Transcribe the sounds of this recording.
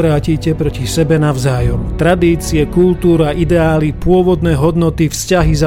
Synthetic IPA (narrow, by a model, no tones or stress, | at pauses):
ɾaːcicɛpɾɔcisɛbɛnaʋzaːjɔmt̪ɾad̪iːt͡siɛkult̪uːɾaʔid̪ɛaːlipʊɔʋɔd̪nɛːɦɔd̪nɔt̪ifscaɦiza